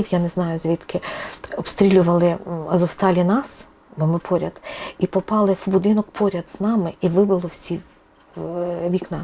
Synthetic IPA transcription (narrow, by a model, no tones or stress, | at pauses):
iwjanɛznɑjʊzʲʋʲit̪kʰɪɔpst̪ɾʲilʲʊʋɐlˠɪzɔwst̪ɑlʲinɑs | bɔmɪpʰɔɾʲɐd̪ipɔpɑlˠɪwbʊd̪ɪnɔkpʰɔɾʲɐd̪z̥nɑmɪʔiʋɪbɪlˠɔwsʲi | ʋʲiknɑ